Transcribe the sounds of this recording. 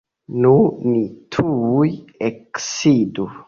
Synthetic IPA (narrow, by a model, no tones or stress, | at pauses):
nunitʰuːjeksidu